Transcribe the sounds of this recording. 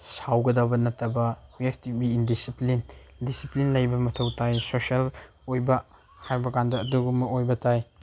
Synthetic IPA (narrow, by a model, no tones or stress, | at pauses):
sawɡɐdabɐnɐtɐbɐepʰtibiindisiplin | disiplinlɐjbɐmɐtʰɐwtʰajsosel | ojbɐ | hajbɐɡandɐːduɡumɐojbɐtʰaj